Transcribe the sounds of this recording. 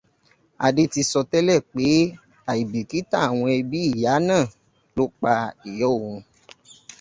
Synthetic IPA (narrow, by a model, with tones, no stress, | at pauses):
a̰˨de˧ti˧sɔ˧tɛ˦lɛ˦˨k͡pe˨˦ | a˨i˨bi˨ki˦ta˦˨a˨w̃ɔ̃˧ɛ˧bi˨˦i˦˨ja˨˦nãː˦˨ | lo˦k͡pa˧e˨jɔ˦˨wõ˨˧